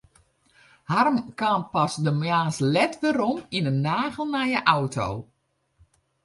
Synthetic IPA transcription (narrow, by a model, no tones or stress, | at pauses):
harmkaːnpasdəmjaːnslɛtʋəɾɔminənːaːɣəlˠnajəʔawto̰w